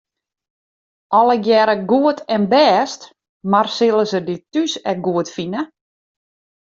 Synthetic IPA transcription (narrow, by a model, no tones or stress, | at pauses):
ʔɔlˠəɡjɛɾəɡuətʰɛnbɛːst | marsɪlˠəzəditysɛk̚ɡuətfinə